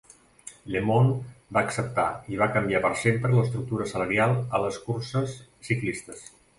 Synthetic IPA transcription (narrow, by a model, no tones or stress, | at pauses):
lemonbaəksəp̚t̪a̰iβ̞akəmbiapəɾsempɾələst̪ɾuk̚t̪uɾəsələɾialˠələskuɾsəsː | iklist̪əs